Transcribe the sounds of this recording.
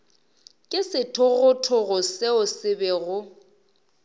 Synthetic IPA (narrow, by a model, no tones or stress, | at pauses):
kʼɪsɪtʰʊɣʊtʰʊɣʊseʊsɪbɛɣʊ